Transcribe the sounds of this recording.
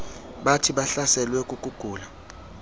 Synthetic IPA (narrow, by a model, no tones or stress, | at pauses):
ɓatʰiɓaɬasɛlwɛkʼuk̬ʼuɡ̥ʱuːla